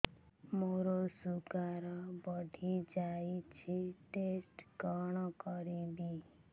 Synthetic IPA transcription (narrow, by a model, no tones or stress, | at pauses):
moɾosukaɾɔbɔɖʱid͡ʒait͡ʃʰiʈesʈkɔɳ̃ɔkɔɾibi